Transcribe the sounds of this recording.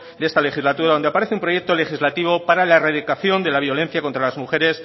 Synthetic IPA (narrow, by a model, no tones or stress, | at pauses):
d̪ee̞st̪ale̞xizlat̪uɾaðo̞nd̪eapaɾe̞θeumpɾoje̞k̚t̪o̞le̞xizlat̪iβ̞o̞paɾalaeraðikaθjo̞nd̪e̞laβ̞jo̞le̞n̟θjako̞nt̪ɾalazmuxe̞ɾe̞s